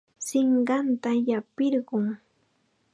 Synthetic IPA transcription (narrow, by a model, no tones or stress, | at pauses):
sɪɴɢɑnt̪ajapɪɾɢʊŋ